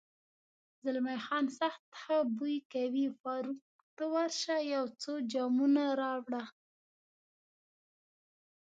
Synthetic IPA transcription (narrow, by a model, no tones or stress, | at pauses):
zɪlmajxɑnsaxt̪xabujkawifɑɾuk̚ | t̪awaɾʃajawt͡sod͡ʒɑmunaɾɑwɽa